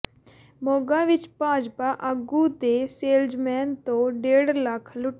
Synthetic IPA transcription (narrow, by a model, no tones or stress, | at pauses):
moːɡaːʋɪt͡ʃpãːd͡ʒpaʔəɡuːt̪eseːld͡ʒmɛːnt̪õɖeːɽləkʰlʊʈ